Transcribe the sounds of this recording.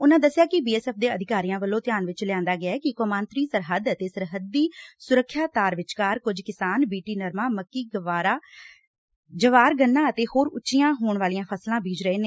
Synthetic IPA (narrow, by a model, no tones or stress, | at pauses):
ʊnãːd̪əsːɪjaːkɪbiːɛːsɛːp̚d̪eːəd̪ɪkaːɾijãːʋəlːõːt̪ɪjaːnʋɪt͡ʃlɪjãːnd̪aːɡɪaɛkɪkoːmãːnt̪ɾiːsəɾɦəd̪ət̪eːsəɾɦəd̪ːiːsʊɾəkʰːjaːt̪aːɾʋɪt͡ʃkaːɾkʊd͡ʒkɪsaːnbiːʈiːnəɾmãːməkːiːɡəʋaːɾaː | d͡ʒəʋaːɾɡənːãːət̪eːhoːɾʊt͡ʃːʃɪjãːɦoːɳʋaːlijãːpʰəslãːbiːd͡ʒɾəeːn